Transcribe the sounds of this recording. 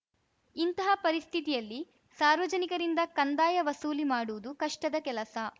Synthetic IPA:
int̪ɐɦɐpɐɾist̪ʰit̪ijɐlːi | saːɾʋɐd͡ʒɐnikɐɾind̪ɐkɐnd̪aːjɐʋɐsuːlimaːɽuʋud̪ukɐʂʈɐd̪ɐkɛlɐsɐ

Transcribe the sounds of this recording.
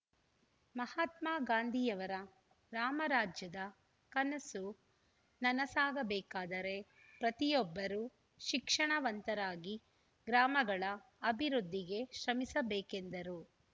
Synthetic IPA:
mɐhaːt̪maːɡaːnd̪ʱijɐʋɐɾɐ | ɾaːmɐɾaːd͡ʒjɐd̪ɐ | kɐnɐsu | nɐnɐsaːɡɐbɛːkaːd̪ɐɾe̞ | pɾɐt̪ijɔbːɐɾu | ʃikʂɐɳɐʋɐnt̪ɐɾaːɡi | ɡɾaːmɐɡɐɭɐ | ɐbʱiɾud̪ʱːiɡe̞ʃɾɐmisɐbeːke̞nd̪ɐɾu

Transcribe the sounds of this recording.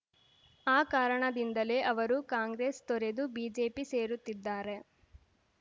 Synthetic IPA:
aːkaːɾɐɳɐd̪ind̪ɐle̞ːʔɐʋɐɾukaːŋɡɾeːst̪ɔɾe̞d̪ubiːd͡ʒe̞ːpise̞ːɾut̪ːid̪ːaːɾe̞

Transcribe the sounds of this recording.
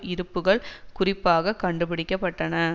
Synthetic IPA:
ɪɾɯpːɯɣɐɭkʊrɪpːaːɣɐkɐɳɖɯpɪɽɪkːɐpːɐʈːɐnɐ

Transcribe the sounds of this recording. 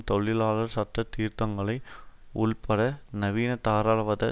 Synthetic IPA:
t̪ɔɭːɪlaːɭɐɾsɐʈːɐt̪iːɾt̪ɐŋɡɐɭɐɪ | ʊɭpɐɽɐnɐʋiːnɐt̪aːɾaːɭʋɐðɐ

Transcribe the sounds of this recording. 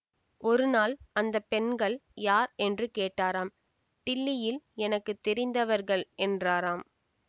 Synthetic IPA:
ɔɾɯnaːlɐnd̪ɐpːɛnɡɐɭjaːɾɛndrɯkeːʈːaːɾaːm | ʈɪlːɪjɪlɛnɐkːɯt̪ːɛɾɪnd̪ɐʋɐɾɣɐɭɛndraːɾaːm

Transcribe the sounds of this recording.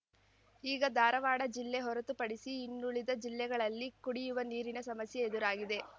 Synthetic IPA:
iːɡɐd̪aːɾɐʋaːɽɐd͡ʒilːeɦɔɾɐt̪upɐɽisiːnːuɭid̪ɐd͡ʒilːɛɡɐɭɐlːikuɽijuʋɐniːɾinɐsɐmɐsjeed̪uɾaːɡid̪e̞

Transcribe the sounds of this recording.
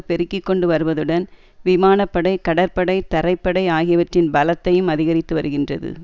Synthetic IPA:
pɛɾɯkːɪkːɔɳɖɯʋɐɾɯʋɐðɯɽɐn | ʋɪmaːnɐpːɐɽɐɪkɐɽɐɾpɐɽɐɪt̪ɐɾɐɪpːɐɽɐɪaːɣɪjɐʋɐʈrɪnbɐlɐt̪ːɐjɯmɐðɪɣɐɾɪt̪ːɯʋɐɾɯɣɪndrɐðɯ̰

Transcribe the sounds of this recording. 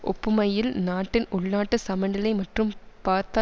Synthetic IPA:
ʔɔ̰pːɯmɐjɪlnaːʈːɪnʊɭnaːʈːɯsɐmɐɳɖɐlɐɪmɐʈrɯmpaːɾt̪aː

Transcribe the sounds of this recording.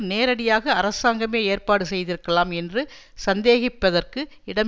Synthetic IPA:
neːɾɐɽɪjaːɣɐːɾɐsaːŋɡɐmeːeːrpaːɽɯsɛjðɪɾɯkːɐlaːmɛndrɯ | sɐnd̪eːɣɪpːɐðɐrkɯ | ɪɽɐm

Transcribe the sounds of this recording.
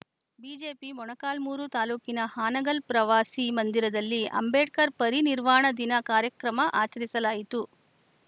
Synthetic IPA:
biːd͡ʒe̞ːpimɔɳɐkaːlmuːɾut̪aːluːkinɐhaːnɐɡɐlpɾɐʋaːsimɐnd̪iɾɐd̪ɐlːiʔɐ̰mbeːʈkɐɾpɐɾiniɾʋaːɳɐd̪inɐkaːɾjɐkɾɐmɐʔaːt͡ʃɐɾisɐlaːjit̪u

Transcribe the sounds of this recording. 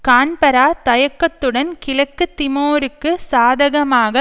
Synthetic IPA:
kaːɳpɐɾaːt̪ɐjɐkːɐt̪ːɯɽɐnkɪlɐkːɯt̪ːɪmoːɾɯkːɯsaːðɐɣɐmaːɣɐ

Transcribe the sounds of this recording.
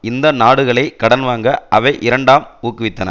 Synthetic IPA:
ɪnd̪ɐnaːɽɯɣɐɭɐɪkɐɽɐnʋaːŋɡɐʔɐʋɐɪʔɪɾɐɳɖaːmuːkːɯʋɪt̪ːɐnɐ̰

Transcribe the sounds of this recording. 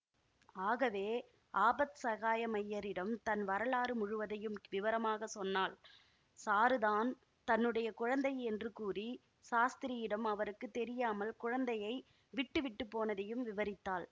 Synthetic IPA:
aːɣɐʋeː | aːbɐt̪sɐɣaːjɐmɐjːɐɾɪɽɐmt̪ɐnʋɐɾɐɭaːɾɯmʊɻʊʋɐðɐjɯmʋɪʋɐɾɐmaːɣɐsɔnːaːl | saːɾɯðaːn | t̪ɐnːɯɽɐjɐkʊɻɐnd̪ɐjɛndrɯkuːri | saːst̪ɪɾɪjɪɽɐmɐʋɐɾɯkːɯt̪ːɛɾɪjaːmɐlkʊɻɐnd̪ɐjɐɪ | ʋɪʈːɯʋɪʈːɯpːoːnɐðɐjɯmʋɪʋɐɾɪt̪ːaːl

